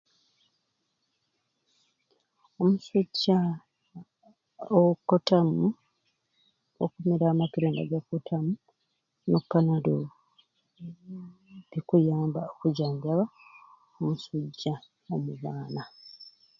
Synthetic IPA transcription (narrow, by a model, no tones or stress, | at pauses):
omusuɟːa | okːotamu | o̰kumeɾaːmakiɾeːnda̰ɡakːotʰamu | nopːanado | βikujaːmbaokuɟaːɲbaβa | omusuɟːa | omuβaːna